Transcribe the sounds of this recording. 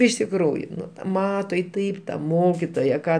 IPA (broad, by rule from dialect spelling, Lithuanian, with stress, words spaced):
ɪʃ tʲɪkˈruːjʊ ˈnʊ ˈmɑːtoː ɪ ˈtɐɪp tɐ ˈmoːkʲɪtoːjɛ ˈkɑː